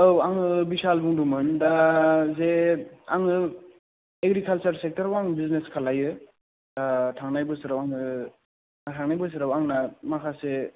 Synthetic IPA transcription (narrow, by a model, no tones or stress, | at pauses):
ɯwaŋɯbisalbuŋdumɯndazea̰ŋɯ | eɡɾikʰalt͡ʃaɾsek̚taɾwaŋbizneskʰalajɯ | datʰaŋnajbɯsɯɾawaŋɯ | natʰaŋnajbɯs̬ɯɾawaŋnamakʰase